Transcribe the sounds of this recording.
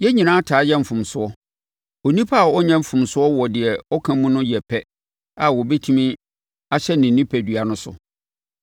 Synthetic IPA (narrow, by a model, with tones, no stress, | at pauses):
jɛ˦ɲĩ˨nãː˦tʰaː˨˦jɛ˦m̩˨fʊ̃˨msʊ˦ɔ˦ | o˨nĩ˦pʰa˦˨ɔ˦ɲɛ̃˦m̩˨fʊ̃˨msʊ˦ɔ˦wɔ˨dɪ˨ɛ˨ɔ˦kʰã˦mũ˦nʊ̃˦jɛ˨pʰɛ˦ | a˨wɔ˨bɛ˦tʰũ˦mĩ˦ | a˦ɕɛ˦nɪ̃˨n˨nːĩ˦pʰæ˨dɥa˨nʊ̃˦sʊ̰˨